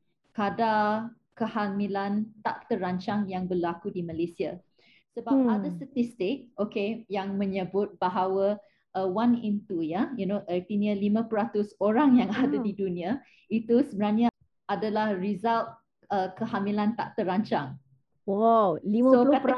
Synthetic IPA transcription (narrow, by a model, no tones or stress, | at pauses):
kada | kəhamilant̪a̰ʔt̪əɾaɲt͡ʃaŋjaŋbəlakudiməlesia | səbap̚adast̪at̪ist̪ɪk̚okejaŋmə̃ɲəbʊt̪̚baɦawə | ʔəwãnĩnt̪ujajunoʔət̪iniəlimãpəɾat̪ʊsoɾaŋjãŋadadidunia | it̪usəbənaɲa | adalahɹizalt̪̚ | əkəhamilant̪aʔt̪əɾaɲt͡ʃaŋ | wawliəoa